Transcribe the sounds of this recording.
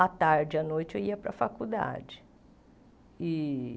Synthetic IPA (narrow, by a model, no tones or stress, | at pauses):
ɐt̪aɾd͡ʒɪɐnojt͡ʃɪewiɐpɾɐfakud̪a̰d͡ʒɪ̥ | ɪ